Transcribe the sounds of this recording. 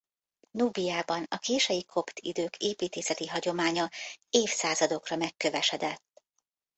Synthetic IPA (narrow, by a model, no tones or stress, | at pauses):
nuːbijaːbɒnɒkeːʃɛjikʰo̞pt̪ʰḭd̪øːkʰeːpiːt̪eːsɛt̪iɦɒɟo̞maːɲɒeːfsaːzɒd̪o̞krɒmɛkːø̞vɛʃɛd̪ɛt̪ː